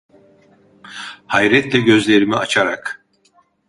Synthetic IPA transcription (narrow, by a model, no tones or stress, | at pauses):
hajɾɛt̪lʲɛɟø̞zlʲeɾimiat͡ʃʰaɾak